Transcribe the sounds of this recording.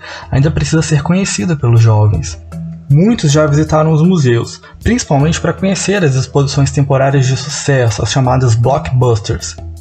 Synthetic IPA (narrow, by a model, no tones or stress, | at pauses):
aĩd̪ɐpɾesizɐseɾkõɲesid̪ɐpelʊzʒɔvḛ̃j̃smũj̃t̪ʊzʒavizit̪aɾɐ̃w̃ʊzmuzeʊs | pɾĩsi̥pawmẽnt͡ʃɪ̥pɾɐkõɲeseɾɐzd͡ʒɪspozisõj̃st̪ẽmpoɾaɾiɐzd͡ʒɪsu̥sɛsʊɐ̰sʃamad̪ɐzblɔkbɐst̪eɾs